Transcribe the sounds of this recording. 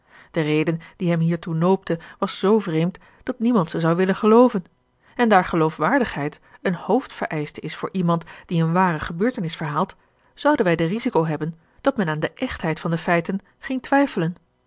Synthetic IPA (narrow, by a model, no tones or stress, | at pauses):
d̥ərejdənd̥iɦɛmɦiːɹtunowp̚təʋɑsz̥owvrejmt | d̥ɑtnimɑntsəzɑwʋɪlənχəlowvən | ɛndaːɹχəlowfʋaːɹdəχɦɛjtənhowftfəɹʔɛjstəɪsfʊːɹʔimɑntd̥iənʋaːrəχəbøːɹtənɪsfəɹɦaːlˠt | z̥ʌwdənʋɛjdərizikowɦɛbən | d̥ɑt̚mɛnaːndəʔɛχtɦɛjtfɑndəfɛjtən | χɪŋtʋɛjfələn